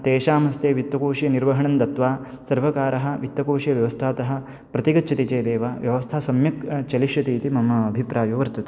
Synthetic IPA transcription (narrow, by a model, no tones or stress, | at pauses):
t̪eːʃaːmɐst̪eːʋit̪wɐkoːʃijɐniɾʋɐɦɐɳɐnd̪ɐt̪ʋaː | sɐɾʋɐkaːɾɐɦɐ̆ʋit̪ːwɐkoːʃijɐʋjɐʋɐst̪ʰaːt̪ɐɦɐ̆ | pɾɐt̪iɡɐtːt͡ʃʰɐt̪it͡ʃeːd̪eːʋaːʋjɐʋɐst̪ʰaːsɐmjɐkt͡ʃɐliʃjɐt̪iːt̪imɐmɐːbʱipɾaːjoːʋɐɾt̪ɐt̪e